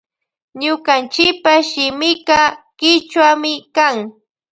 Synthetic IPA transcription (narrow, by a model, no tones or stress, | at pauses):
ɲʊkant͡ʃɪkpaʃɪmɪkɑkɪt͡ʃwamɪkaŋ